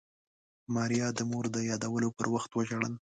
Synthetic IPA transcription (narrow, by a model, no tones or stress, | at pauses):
mɑɾijɑd̪əmoɾd̪əjɑd̪awəlopəɾwaxt̪wəʒaɽən